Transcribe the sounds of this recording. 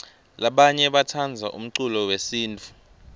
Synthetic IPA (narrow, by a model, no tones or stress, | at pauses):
laɓaɲɛɓatʰand͡zʱa̰ʔṵm̩ǀulɔwesiːntʰʼu̥